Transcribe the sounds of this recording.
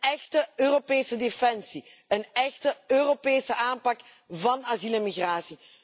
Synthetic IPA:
ɛxtəøːropeːsədefɛnsiənɛxtəøːropeːsəʔaːmpɑk | vɑnaziləmiɣraːsi

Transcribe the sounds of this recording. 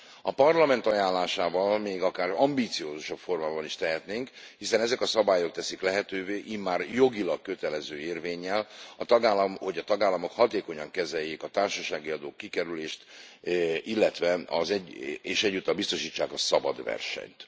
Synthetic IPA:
ɒpɒrlɒmɛnt̪ɒjaːnlːaːʃaːvɒlmeːɡɒkaːrɒmbiːt̪sijoːzuʃɒpfo̞rmaːbɒniʃt̪ɛɦɛt̪neːŋk | hisɛnɛzɛkɒsɒbaːjo̞k̚t̪ɛsiklɛɦɛt̪øːveːʔimaːrjo̞ɡilɒkkøt̪ɛlɛzøːeːrveːɲːɛlɒt̪ɒɡaːlːɒmho̞ɟɒt̪ɒɡaːlːɒmo̞khɒt̪eːko̞ɲɒŋkɛzɛjːeːkɒt̪aːrʃɒʃaːɡiɒd̪oːkːikɛɾyleːʃt̪ | ilːɛt̪ʋɛɒzɛɟeːʃɛɟːut̪ːɒbist̪o̞ʃiːt͡ʃːaːkɒsɒbɒd̪ʋɛ̰rʃɛ̰ɲt̪

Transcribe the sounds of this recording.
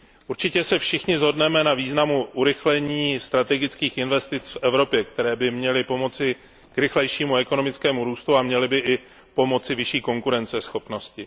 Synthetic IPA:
ʔuɾt͡ʃɪcɛsɛfʃɪxɲɪzɦo̞dnɛmɛnaviːznamuʔuɾɪxlɛɲiːst̪ɾat̪ɛɡɪt͡skiːxɪnvɛst̪ɪt͡sfʔɛvɾo̞pjɛkt̪ɛɾɛːbɪmɲɛlɪpo̞mo̞t͡sɪ | kɾɪxlɛjʃiːmuɛko̞nomɪt͡skɛːmuɾuːst̪uamɲɛlɪbɪʔɪ | po̞mo̞t͡sɪvɪʃiːko̞ŋkuɾɛnt͡sɛsxo̞pno̞scɪ

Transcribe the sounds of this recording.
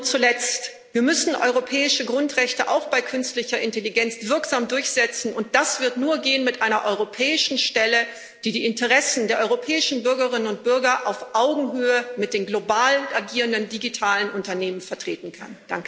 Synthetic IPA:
t͡sulɛt͡st | viːɐmʏsn̩ʔɔ̰ʏʁopʰɛːɪʃəɡʁʊntʁ̥ɛçtəʔa̰ʊxb̥aɪkʰʏnstlɪçɐʔɪnteliɡɛnt͡sv̥ɪɐkz̥aːmdʊɐçz̥ɛt͡sn̩ʊnt̚d̥asv̥ɪɐtnuːɐɡeːənmɪtʔaɪnɐʔɔʏʁopʰɛːɪʃn̩ʃtɛlə | d̥iːdiːɪntəʁɛsn̩deːɐʔɔʏʁopʰɛːɪʃn̩bʏɐɡɐʁ̞ɪnənʊnt̚b̥ʏɐɡɐʔaʊfʔaʊɡŋ̩ɦøːəmɪt̚d̥eːmɡlobaːlənʔaɡiːʁəndəndiɡitʰaːlənʔʊntɐneːmənfɛɐtʁ̥ḛːtn̩kʰa̰nd̥aŋkə

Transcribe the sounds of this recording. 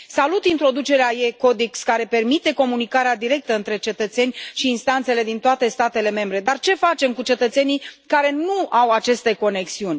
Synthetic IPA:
salut̪int̪ɾo̞d̪ut͡ʃe̞ɾeajeko̞d̪ikskaɾe̞pe̞rmit̪e̞ko̞munikaɾead̪iɾe̞k̚t̪əɨnt̪ɾe̞t͡ʃe̞t̪ət̪se̞nʲʃiːnst̪ant̪se̞le̞d̪int̪oat̪e̞st̪at̪e̞le̞me̞mbɾe̞d̪art͡ʃe̞fat͡ʃe̞mkut͡ʃe̞t̪ət̪se̞nikaɾe̞nuawat͡ʃe̞st̪e̞ko̞ne̞ksiunʲ

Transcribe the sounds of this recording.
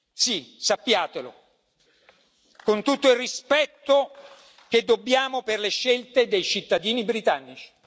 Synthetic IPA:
sisapːjaːt̪elo̰ | kont̪ut̪ːoilrːispɛt̪ːo | k̟ed̪ːobːjaːmoperleʃːelt̪ed̪ejt͡ʃit̪ːad̪iːnibɾit̪anːit͡ʃi̥

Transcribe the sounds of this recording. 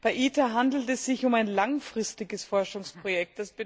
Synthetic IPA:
b̥aɪʔiːtaɦandl̩tɛsz̥ɪçʊmaɪnlaŋfʁ̥ɪstɪɡəsfɔɐʃʊŋspʁ̥ojɛk̚t̚d̥asb̥ɪ

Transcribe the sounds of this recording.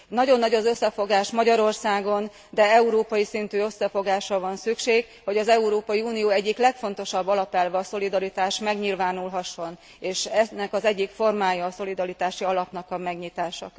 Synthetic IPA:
nɒɟo̞nːɒɟɒzø̞sːɛfo̞ɡaːʃmɒɟɒɾo̞rsaːɡo̞n | d̪ɛɛuɾoːpɒjisint̪yːø̞sːɛfo̞ɡaːʃrɒvɒnsykʃeːɡ | ho̞ɟɒzɛuɾoːpɒjiuːnijoːɛɟːiklɛkfo̞n̪t̪o̞ʃɒbːɒlɒpɛlvɛːso̞lid̪ɒɾit̪aːʃmɛɡɲilvaːnulɦɒʃːo̞n | eːʃɛnːɛkɒzɛɟːikfo̞rmaːjɒːso̞lid̪ɒɾit̪aːʃiɒlɒpnɒkɒmɛɡɲit̪aːʃɒ

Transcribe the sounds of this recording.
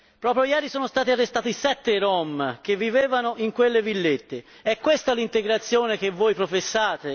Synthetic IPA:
pɾɔːpɾjojɛːɾisɔːnost̪aːt̪iarːest̪aːt̪isɛt̪ːeɾɔmk̟evːiveːvanoʔiŋkwelːevilːet̪ːe | ɛkːwest̪alint̪eɡɾat̪sːjɔːnek̟evːoːjpɾofesːaːt̪e

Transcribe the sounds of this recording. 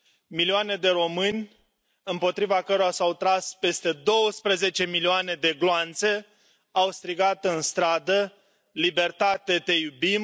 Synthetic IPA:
miliane̞d̪e̞ɾo̞mɨnʲ | ɨmpo̞t̪ɾivakəɾoasawt̪ɾaspe̞st̪e̞d̪o̞wəspɾeze̞t͡ʃe̞milioane̞d̪e̞ɡloant̪se̞ | awst̪ɾiɡat̪ɨnst̪ɾad̪ə | libe̞rt̪at̪e̞t̪e̞jubim

